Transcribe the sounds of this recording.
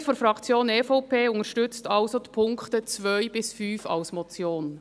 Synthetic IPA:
tfɔfɾɑkt͡sjoːneːfopʰeːʊntəʃtʏt͡stɑlsod̥̪ipʰʊŋktət͡svœʏbɪsfyːfɑ̰ʊsmɔt͡sjoːn

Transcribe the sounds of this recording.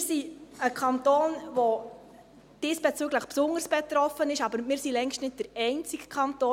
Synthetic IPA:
ɪsiəkʰɑntoːnʋo | d̥ɪsb̥ɛt͡syːɡləχpsʊŋəɾsb̥ɛt̪ɾɔfənɪʃɑbəɾmɪːɾsilɛŋʃtnɪt̚d̥əɾɛɪnt͡sɪɡkʰɑnt̪oː

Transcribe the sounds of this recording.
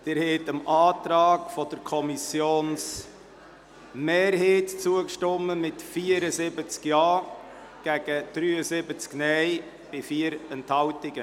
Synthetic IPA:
d̥ɪːɾhɛtəmʔɑːtɾɑːkfɔd̥əɾkʰɔmisjoːns | meːɾɦeːtt͡suəkʃtɔmːəmɪtfiːəɾəzɪbət͡skjɑː | ɡ̥æɡ̥əd̥ɾyːəzɪbət͡sknɛj | b̥ɪfiːəɾɛnthɑwtɪɡ̥ə

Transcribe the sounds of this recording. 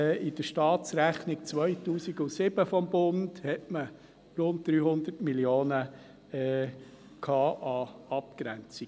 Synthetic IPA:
ʔɪdəʃtɑːtt͡sɾæχnik̚t͡sʋœʏtuːsiɡʊsɪb̥əfɔmbʊnd̥hɛtmə | ɾʊnt̚d̥̪ɾyːhʊnd̪ətmilioːnə | ɛː | kʰɑːʔɑɑp̚kɾænt͡si

